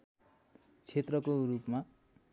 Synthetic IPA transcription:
t͡sʰet̪rʌkorupma

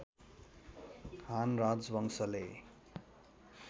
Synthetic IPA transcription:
hanrad͡zwʌŋsʌle

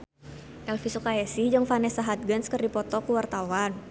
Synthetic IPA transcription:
ʔɛlfisukaɛsid͡ʒəŋfanɛsaɦat̪̚ɡənskərdipɔt̪ɔkuwart̪awan

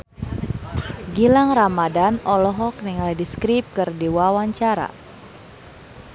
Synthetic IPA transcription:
ɡilaŋramadanɔlɔɦɔk̚niŋaldiskɾip̚kɨrdiwawaɲt͡ʃaɾa̰

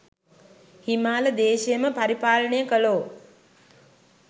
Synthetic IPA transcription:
himaːləd̪eːʃejəməpaɾipaːləɳəjəkəloː

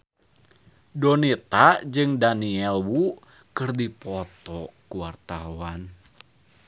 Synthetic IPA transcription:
dɔnit̪ad͡ʒɨŋdaniɛlwu | kɨrdipɔt̪ɔkuwart̪awan

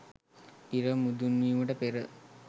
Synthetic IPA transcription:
iɾəmud̪unʋiːməʈəpeɾə

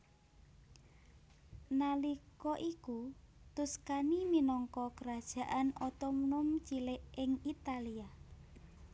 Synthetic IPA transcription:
nalikɔʔiku | t̪ʊskaniminɔŋkɔkəɾad̥ʒ̥ä̤ʔanɔt̪ɔmnʊmt͡ʃilɪʔɪŋit̪alia

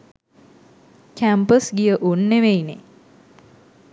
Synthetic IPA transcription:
kæmpəsɡijəʔunːeʋejnḛ

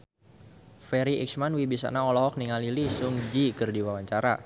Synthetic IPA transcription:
fɛɾiḭksmanwibisa̰naɔlɔɦɔk̚niŋalilisʊŋd͡ʒikɨrdiwawaɲt͡ʃaɾa

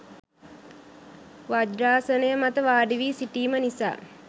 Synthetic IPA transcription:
ʋad͡ʒɾaːsənəjəmat̪əʋaːɖiʋiːsiʈiːmənisa̰ː

